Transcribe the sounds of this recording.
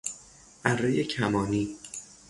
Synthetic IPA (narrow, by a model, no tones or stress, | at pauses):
ʔærːejecʰæmɒːniː